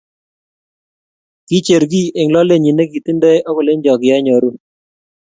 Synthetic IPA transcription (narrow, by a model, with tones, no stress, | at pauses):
ki˦t͡ʃe˨ɾɡi˦ʔɪ˨ŋlɔ˦le˦ɲi˨ne˦ki˨ti˦ndɛ˦jɔ˦kɔ˨le˦ɲd͡ʒɔ˨kɪ˨jɛ˦ɲɔ˨ɾu˦˨n